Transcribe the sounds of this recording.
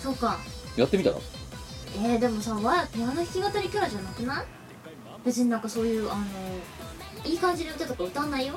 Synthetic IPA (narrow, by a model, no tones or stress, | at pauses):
so̞kːajat̪ːemit̪a̰ka̰ | e̞d̪e̞mo̞saːβajakɯɲanoçʲi̥kʲiɡat̪aɾʲikʲɯɾaʑanakɯ̟na | b̥e̞t͡s̬ɨɲ̟inãŋkaso̞ːjɯ̟ːʔano̞ | iːkãɲ̟d͡ʑiɲiɯ̟t̪ːeakaɯ̟t̪ãnːaijo